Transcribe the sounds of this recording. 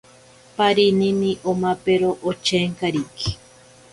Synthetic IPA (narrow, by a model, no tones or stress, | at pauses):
paɾininiʔomapeɾoʔot͡ʃeŋkaɾiki̥